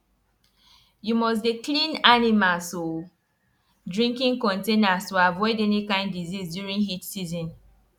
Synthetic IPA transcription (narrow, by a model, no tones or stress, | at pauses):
jumɔs̬deklĩnanimalso | dɹĩŋkĩŋkɔ̃ntẽnastuavɔɪdɛnikãɪ̃ndizisdjuɹĩnɦitsizɔ̃n